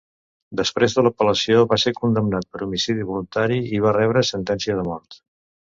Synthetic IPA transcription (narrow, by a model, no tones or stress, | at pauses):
d̪əspɾezðələpələsioβasekund̪əmnat̪̚pəɾumisiðiβulunt̪aɾiiβ̞arɛβɾəsənt̪ɛnsiəðəmɔrt̪